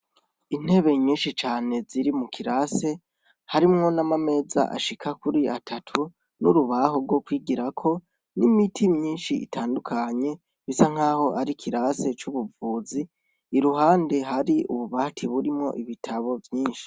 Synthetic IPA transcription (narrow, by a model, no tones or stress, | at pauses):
in̥he̞βe̞ɲiːnʃit͡ʃaːne̞ziɾimukʰiɾase̞ | haɾimŋo̞namame̞za̰ʔa̰ʃikʰakuɾiatʰatʰu | nuɾuβaɦo̞ɡɡwo̞kwiːɡiɾakʰo̞ | nimitʰimɲiːnʃiḭtʰaːndukʰaɲe̞ | βisaŋ̥aːho̞ʔaɾikʰiɾase̞t͡ʃuβuvuːziː | ɾuɦaːnde̞ɦaɾiṵβuβaːtʰiβuɾimŋo̞̰ʔiβitʰaβo̞vjiːnʃi̥